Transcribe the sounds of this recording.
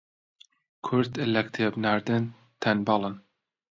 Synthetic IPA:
kʰʊɾd̪elɛkt̪ʰebnaɾd̪ɨn | t̪ʰɛnbɑlˠɨn

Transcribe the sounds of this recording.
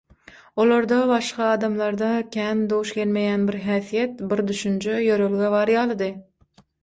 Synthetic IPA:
olˠɑɾd̪ɑbɑʃqɑːd̪ɑmlˠɑɾd̪ɑkʲʰænd̪owuʃkʲʰelmejænbɪɾɦæːθijɛt̪bɪɾd̪yʃynt͡ʃʰɛjøɾølɡʲɛvɑɾjɑlˠɨd̪ɨ

